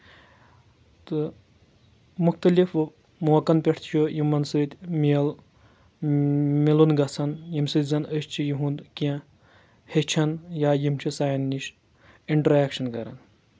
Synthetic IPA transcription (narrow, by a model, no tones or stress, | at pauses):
t̪ɨ | muxt̪ɐlif | moːkɐnpʲeʈʰt̪ʰt͡ʃʰujimːɐnsɨɾt̪ʲmil | milunɡɐt͡sʰɐnjimsɨzɐnəʃt͡ʃʰijiɦũnd̪kɐ̃ | het͡ʃʰɐnjaːjimt͡ʃʰisaːjnːiʃ | iɳʈɐɾaːkʃɐnkɐɾɐ̰n